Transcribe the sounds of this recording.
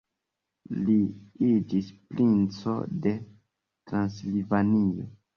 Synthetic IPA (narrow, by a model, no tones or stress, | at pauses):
liid͡ʒispɾint͡so̞̰de̞ | tɾanslivanio̰